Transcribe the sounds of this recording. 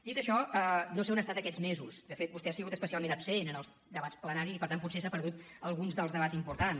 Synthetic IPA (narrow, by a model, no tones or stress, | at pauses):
d̪it̪əʃɔənosɛunəstat̪əkɛd͡zmezuzd̪əfet̪̚bust̪ɛasiɣut̪əspəsialˠmẽnəpsenənəlˠz | d̪əβat͡splənaɾizipəɾt̪anmputsesapəɾðut̪əlˠɣunzðəlˠzðəβ̞azimpuɾt̪an